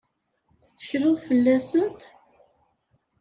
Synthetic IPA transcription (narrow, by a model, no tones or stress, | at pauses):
θə̥t͡sːə̥çɾʊðˤfəlːæsənt̪